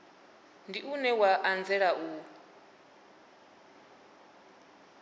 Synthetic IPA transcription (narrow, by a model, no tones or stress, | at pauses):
ndiʔunɛwaʔand͡zɛɺaʔu